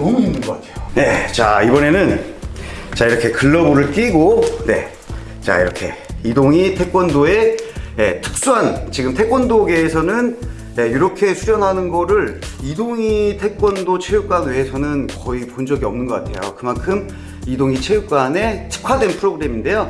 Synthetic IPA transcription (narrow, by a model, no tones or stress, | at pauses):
nʌmuinːɯnɡʌkatʰe̥jone̞t͡ɕa̰ibʌne̞nɯn | t͡ɕaiɾʌkʰe̞kɯɭːʌboɾɯɭk͈iɡone̞̰ | t͡ɕa̰ḭɾʌkʰe̞̰idoŋitʰe̞k͈wʌndoe̞etʰɯ̥k̚s͈uɦant͡ɕiɡɯmtʰe̞k͈wʌndoɡe̞ːsʰʌnɯn | jejoɾʌkʰe̞sʰuɾjʌnɦanɯnɡʌɾɯɾidoŋitʰe̞k͈wʌndot͡ɕʰe̞juk͈anwe̞esʰʌnɯnkʌipond͡ʑʌɡiʌmnɯnɡʌk͈atʰe̞jo̰kɯmankʰɯm | idoŋit͡ɕʰe̞juk͈ane̞tʰɯ̥kʰadwe̞npʰɯɾoɡɯɾe̞minde̞jo